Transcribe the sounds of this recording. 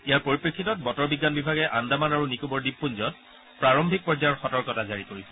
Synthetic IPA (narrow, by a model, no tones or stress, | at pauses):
ijaɹpoɹipɹikʰːitɔt̚bɔtɔɹbiɡːanbibʱaɡɛʔandamanaɹunikubɔɹdib̚pːunzɔt̚ | pɹaɹɔmbʱik̚pɔd͡ʒajɔɹxɔtɔɹkɔtazaɹikoɹisɛ